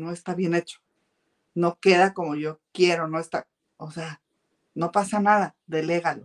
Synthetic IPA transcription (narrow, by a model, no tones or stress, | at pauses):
no̞est̪aβje̞ne̞t͡ʃo̥ | no̞keðako̞moʝokje̞ɾonoest̪a | osea | no̞pasanaðaðeleɣalo